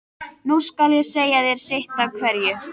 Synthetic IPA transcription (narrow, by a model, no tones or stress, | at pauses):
nuskaljɛseːjaðɛɾ̥sɪht̪awkʰvɛɾjʏ